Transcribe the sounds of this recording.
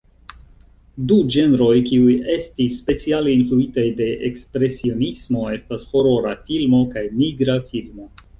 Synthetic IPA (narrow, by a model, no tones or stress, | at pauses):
dud͡ʒe̞nɾo̞jkiuje̞stisːpe̞t͡sialeinfluitajde̞ʔekspɾe̞sio̞nismo̞e̞stasho̞ɾo̞ɾafilmo̞kajniɡɾafilmo̞